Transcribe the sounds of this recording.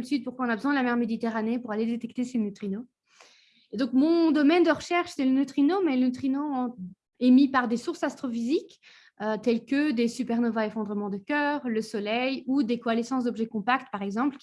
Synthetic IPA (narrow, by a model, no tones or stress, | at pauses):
lsit̪̚puʁkwaɔ̃nabəzwɛ̃d̪əlamɛʁmed̪it̪eʁanepuʁaled̪et̪ɛk̚t̪esenyt̪χino | ed̪ɔ̃kmɔ̃d̪ɔmɛnd̪əʁəʃɛʁʃsɛlənøt̪χinomɛlənyt̪χinoɑ̃ | emipaʁd̪esuʁsast̪χofizik | øt̪ɛlkəd̪esypɛʁnɔvaefɔ̃d̪ʁəmɑ̃d̪əkʲœːʁləsɔlɛjud̪ekɔalesɑ̃sd̪ɔbʒɛkɔ̃pakt̪̚paʁɛɡzɑ̃plʲ